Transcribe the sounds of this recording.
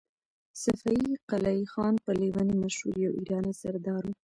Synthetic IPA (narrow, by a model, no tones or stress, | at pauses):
safaiqalaixɑnpəlewanimaʃhṵɾjawʔiɾɑnasaɾd̪ɑɾu